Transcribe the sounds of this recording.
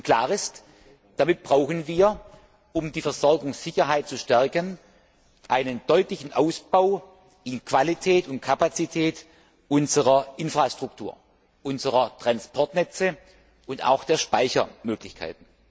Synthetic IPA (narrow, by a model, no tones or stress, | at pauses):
ʊkl̥aːʁɪst | d̥amɪt̚b̥ʁaʊxənviːɐ | ʔʊmdiːfɛɐzɔʁɐɡʊŋsz̥ɪçɐɦaɪt̚t͡suʃtɛɐkən | ʔaɪnənd̥ɔʏtlɪçn̩ʔaʊsb̥aʊ | ɪnkv̥alitʰɛːtʊnt̚kʰapat͡sitʰɛːt | ʔʊnzəʁɐʔɪnfʁ̥astʁ̥ʊktʰṵːɐ | ʔʊnzəʁɐtʁ̥anspʰɔɐtnɛt͡sə | ʊnta̰ʊxd̥eːɐʃpaɪçɐ̰møːklɪçkʰa̰ɪtn̩